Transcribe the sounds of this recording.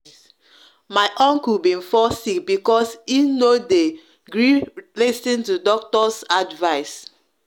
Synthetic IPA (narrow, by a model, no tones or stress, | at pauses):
maɪʔɔ̃ŋkubĩnfɔsik̚bikɔsinode | ɡɹilisĩntudɔk̚tɔsadvaɪs